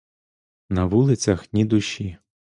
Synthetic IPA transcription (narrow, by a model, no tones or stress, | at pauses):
nɐʋulˠɪt͡sʲɐxnʲid̪ʊʃi